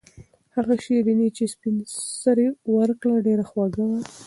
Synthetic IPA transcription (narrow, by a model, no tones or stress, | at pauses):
haɣaʃeɾinet͡ʃespinsaɾewəɾkɽaɖeɾaxwaɡawa